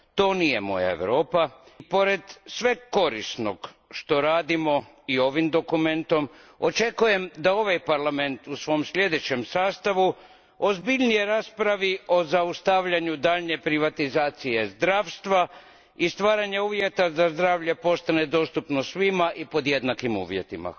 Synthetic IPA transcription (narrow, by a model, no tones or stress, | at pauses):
t̪o̞ːnijḛmo̞̰ja̰ḛʋɾo̞ːpapo̞ɾe̞d̪sʋe̞ɡko̞ɾḭsno̰ɡ | ʃt̪o̞ɾaːd̪imo̞ | io̞ʋimd̪o̞kume̞nt̪o̞mo̰t͡ʃe̞kuje̞md̪ao̞ʋajpaɾlame̞nt̪usʋo̞msʎʲe̞d̪e̞t͡ɕe̞msaːst̪aʋu | ozbiʎnijeɾaːspɾaʋio̞zaust̪aʋʎaɲud̪aːʎɲe̞pɾiʋat̪izaːt̪sije̞zd̪ɾaːʋst̪ʋa | ist̪ʋaːɾaɲeuːʋjet̪azazd̪ɾaːʋʎe̞po̞st̪ane̞d̪o̞ːst̪upnosʋimaʔipo̞d̪je̞d̪nakimṵːʋjet̪ima̰